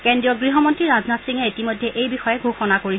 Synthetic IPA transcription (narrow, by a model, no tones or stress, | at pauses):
kendɹijɔɡɹiɦɔmɔntɹiɹaznatsiŋɛitimɔjdʱːɛʔejbixɔjɛɡʱoxɔnakoɹi